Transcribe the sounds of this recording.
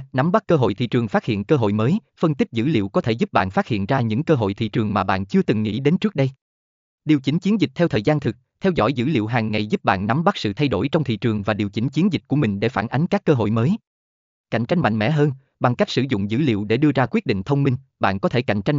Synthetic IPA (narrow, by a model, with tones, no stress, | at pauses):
na˨˦mɓa˦˥k̚ːəː˧ɦo̰˧˨jt̪ʰḭ˧˨t͡ɕɨ˨˩əŋfaː˦˥t̚hḭ˧˨ənkəː˧ɦo̰˧˨jməː˨˦j | fə˧nt̪i˦˥k̟̚zɨ̰˧˥lḭ˧˨wkɔ˨˦t̪ʰe˧˩zu˦˥p̚ɓa̰ː˧˨nfaː˦˥t̚hḭ˧˨ənzaː˧ɲɨ̰˧˥ŋkəː˧ɦo̰˧˨jt̪ʰḭ˧˨t͡ɕɨ˨˩əŋmaː˨˩ɓa̰ː˧˨nt͡ɕɨ˧ət̪ɨ˨˩ŋːḭ˧˥ɗe˨˦nt͡ɕɨ˦˥k̚ɗə˧j | ɗi˨˩əwt͡ɕi˨˦ŋt͡ɕi˨˦ənzï˨˩k̚t̪ʰɛ˧wt̪ʰəː˨˩jzaː˧nt̪ʰɨ˨˩k̚t̪ʰɛ˧wzɔ̰˧˥jzɨ̰˧˥lḭ˧əwɦaː˨˩ŋːa˨˩jzu˦˥p̚ɓa̰ː˧˨nːa˨˦mɓa˦˥k̚sɨ̰˧˨t̪ʰa˧jɗo˧˩jt͡ɕɔ˧wŋ͡mt̪ʰḭ˧˨t͡ɕɨ˨˩əŋvaː˨˩ɗi˨˩əwt͡ɕï˨˦ŋt͡ɕi˨˦ənzi̟˨˩ku˧˩əmï˨˩ŋ̟ɗe˧˩faː˧˩nʔa˨˦ŋkaː˦˥kːəː˧ɦo̰˧˨jməː˨˦j | ka̰˧˩jŋ̟t͡ɕa˧jŋ̟ma̰˧˨jŋmɛ̰˧˥ɦəː˧n | ɓa˧ŋka˦˥jk̚sɨ˧˩zʊ̰˧˨ŋ͡mzɨ̰˧˥lḭ˧˨əwɗe˧˩ɗɨ˧əzaː˧kwi˦˥ət̚ɗḭ̈˧˨ŋ̟t̪ʰə˧wŋ͡mmï˧ŋɓa̰ː˧˨nkɔ˨˦t̪ʰe˧˩ka̰˧˨jŋ̟t͡ɕa˧jŋ